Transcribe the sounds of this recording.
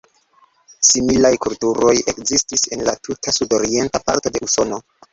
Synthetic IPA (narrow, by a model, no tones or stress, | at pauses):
similajkultuɾo̞je̞kzistise̞nlatutʰasudo̞ɾie̞ntapa̰ɾto̞de̞uso̞no̞